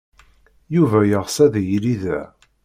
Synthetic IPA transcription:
juvæjəʁsæðjɾiðæ

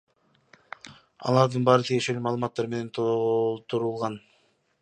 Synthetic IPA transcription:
ɑ̰lˠɑɾd̪ɯnbɑːɾɯt̪ʰije̞ʃe̞lymɑːlˠɯmɑt̪ːɑɾme̞ne̞nt̪ʰt̪uɾulˠʁɑn

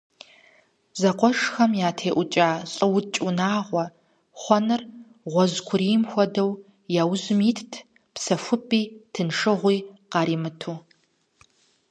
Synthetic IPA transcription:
zɐqʷɔʂxɐmjaːtʰeːʔʷʊt͡ʃʼaːɕʼɨwʊt͡ʃʼunaːʁʷɔ | χʷɔnɨr | ʁʷɔzkʷʰʊɾiːmxʷɔdɐw | jaːwzɨmiːtʰtʰ | psɐfʷʊpʼːiːtʰɨnʂɨʁʷiːqɑːɾiːmɨtʰuː

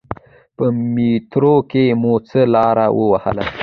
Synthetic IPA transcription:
pəmit̪ɾokemot͡səlɑɾawəwahə̰la̰

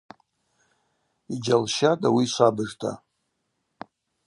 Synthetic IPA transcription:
id͡ʒalʃadawiʃʷabɨʐtʰa̰

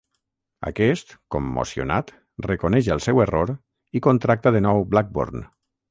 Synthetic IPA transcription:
ə̰kɛst̪komːo̰sio̰nat̪ | rekonɛʃəlˠsɛweroɾ | ikont̪ɾak̚t̪aðənɔwblak̚bo̰ɾn

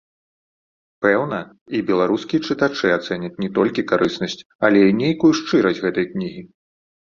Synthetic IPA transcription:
pɛwnɐ | ibʲɛlˠaɾuskʲijɐt͡ʂɨt̪at͡ʂɨat̪sɛnʲɐt͡sʲnʲɛt̪ɔlʲkʲikaɾʔɨsnɐsʲt͡sʲ | alʲɛinʲejkujuʂt͡ʂɨɾɐsʲɣɛt̪ɐjknʲiɣʲi

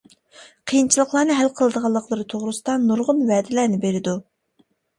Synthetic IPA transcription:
qʰijint͡ʃʰilˠəχlˠɑːnɨɦælqʰəlˠɨd̪əʁɑlˠːəqʰlˠəɾɨt̪ʰoʁɾɨsɨd̪ɑnuɾʁʊnvɛːd̪ɪlæːnɪbeɾɪd̪u

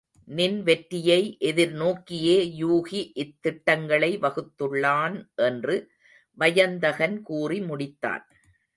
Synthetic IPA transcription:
nɪnʋɛʈɾɪjɐɪʔɛðɪɾnoːkːɪjeːjuːɣiʔɪt̪ːɪʈːɐŋɡɐɭɐɪʋɐɣɯt̪ːɯɭːaːnʔɛndrɯ | ʋɐjɐnd̪ɐɣɐnkuːrimʊɽɪt̪ːa̰ːn

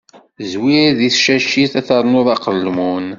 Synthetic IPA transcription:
zwiɾðiθʃæʃiθæθəɾˤnʊðˤɑqəlːmun

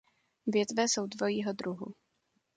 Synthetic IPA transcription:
vjɛt̪vɛsowd̪vojiːɦod̪ɾuɦṵ

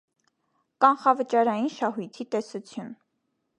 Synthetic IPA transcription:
kɑnχɑvət͡ʃɑɾɑjinʃɑɦujt̪ʰit̪ɛsut͡sʰjun

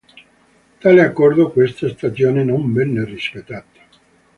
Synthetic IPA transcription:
t̪aːleakːɔrd̪okwest̪ast̪asjoːnenombɛnːerispet̪ːaːt̪ḁ

